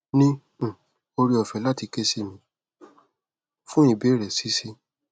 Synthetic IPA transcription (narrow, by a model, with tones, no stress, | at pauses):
nĩ˦˨ | o˧ɾi˧˦ɔ˨fɛ˨˦la˦ti˧ke˧si˦˨mĩ˨˧˦ | fũ˦i˨be˨˦ɾɛ˨si˨˦si˦˧